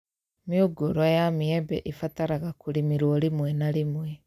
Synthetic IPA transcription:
mioɡoɾwajamiɛbɛ̰ʔefataɾaɣakuɾimiɾwɔɾemwɛnaɾemwɛ

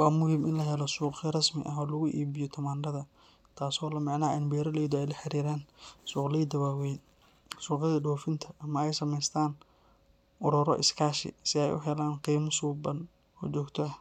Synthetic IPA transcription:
wɑːmʊɦimɪnlɐɦɛlɔsuːqɐrɐsmɪ̰ʔɐɦɔːlʊɣʊʔiːbɪjɔt̪ʰɐmaːndɐðɐ | t̪ʰaːsɔːlɐmɑʕnaːʔɛnbɛːɾɐlɛjd̪ʊɛjlɐħɑɾiːɾaːnsuːqlɛjd̪ɐwaːwɛjn | suːqɪðɐɖɔːfɪnt̪ʰɐʔɐmɐɛjsɐmɛjst̪ʰaːn | ʔɔɾɔɾɔ̰ʔɪ̰skʰaːʃɪ̰sɪɛjʔʊ̰ɦɛlaːnqiːmʊsuːbɐn | ɔ̰ːt͡ʃɔːɡt̪ʰɔ

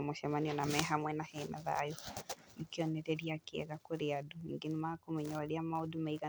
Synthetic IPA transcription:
moʃamaniɔnamɛɦamwɛnahɛna̰ða̰jɔ | nikiɔnɛɾɛɾiakiɛ̰ɣakoɾeaduiŋɡenimakomɛɲawaɾeamaodumaiɣa

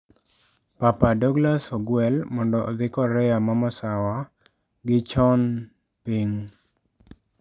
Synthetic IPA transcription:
papadɔɡlasɔɡwɛlmɔndɔːd̪ɪkɔɾɛjamamɔsawa | ɡɪt͡ʃɔn | piŋ

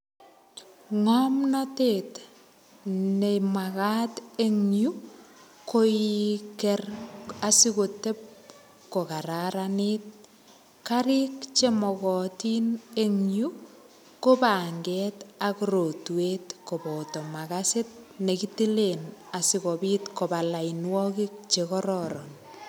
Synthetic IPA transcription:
ŋɔmnatet | nemakateŋju | koikɛrasikotep̚ | kokaɾaɾanɪt̚ | kaɾikt͡ʃemɔkɔtineŋju | kopaŋɡɛːtakɾotwetkopɔtɔmakaset̚nekitilenasɪkobiːtkobalainwɔkik̚t͡ʃekɔɾɔɾɔ̰n

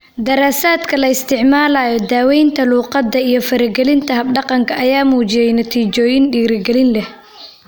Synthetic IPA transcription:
d̪ɐɾaːsaːd̪kʰɐlɐɪst̪ʰɪʕmaːlaːjɔd̪aːwɛjnt̪ʰɐluːqɑd̪ːɐijɞfɐɾɐɡɛlɪnt̪ʰɐɦɐb̚ɖɑqɑŋkʰɐːjaːmuːt͡ʃɪjɛjnɐt̪ʰiːt͡ʃɔːjɪnɖiːɾɪɡɛlɪnlɛh

